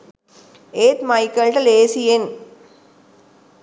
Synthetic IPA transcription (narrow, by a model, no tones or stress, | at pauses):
eːt̪mɐɪkːɐlʈɐleːsien